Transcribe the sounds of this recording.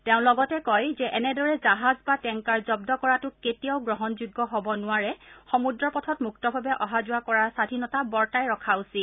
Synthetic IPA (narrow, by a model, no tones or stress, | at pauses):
tɛʊ̃lɔɡɔtɛkɔjzɛʔɛnɛdɔɹɛzaɦazbatɛŋkaɹzɔb̚dɔkɔɹatʊketijaʊɡɹɔɦɔnzuɡːɔɦobɔnʊaɹɛxɔmudɹɔpɔtʰɔtmuktɔbʱabɛʔɔɦazʊakɔɹasadʱinɔtabɔɹtajɹɔkʰaʊsi